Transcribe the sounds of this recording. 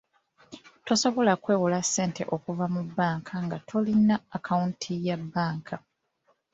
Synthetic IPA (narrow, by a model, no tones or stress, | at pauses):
to̞so̞βo̞lakwe̞ːwulasːe̞ːnte̞̰ʔo̞kuvamubːaːŋkʰaŋɡatʰo̞linaːkʰauntʰijabːaːŋkʰa